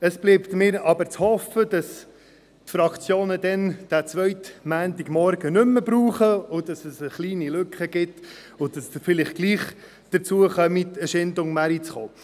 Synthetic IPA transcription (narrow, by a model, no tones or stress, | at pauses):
əsb̥liːptmɪːɾɑbəɾt͡shɔfəd̥ɑs | tfɾɑkt͡sjoːnədɛnd̥æt͡sʋœʏtmæːntiɡmɔɾɡ̥ənʏmːəbɾuːχəʊd̥ɑsəsəχliːnilɵkχəɡ̥ɪt | ʊdɑsfɪlɪχɡ̥liːχ | d̥əɾt͡suəχœmitəʃɪndʊŋmæɾit͡sχoː